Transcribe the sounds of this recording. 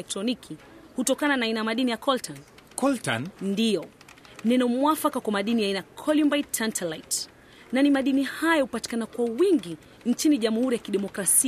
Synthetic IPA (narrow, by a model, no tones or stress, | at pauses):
ɛk̚tɾɔnikʰihutɔkananaainajamaɗinijakʰɔltankɔlta̰nndijɔ | nɛnɔmwafakakwamaɗinijainakʰɔlumbajtːantʰɛlajt | nanimaɗinihajɔhupati̥kanakwawiŋɡi | n̩t͡ʃiniʄamuhuɾijakiɗɛmɔkɾasi